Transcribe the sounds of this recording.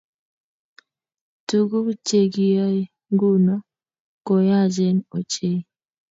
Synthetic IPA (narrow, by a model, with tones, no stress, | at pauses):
tu˨ɡu˦t͡ʃe˨ɡi˦ja˦ | ŋɡu˦na˦ | kɔ˨ja˦˨d͡ʒe˦nɔ˨t͡ʃe˦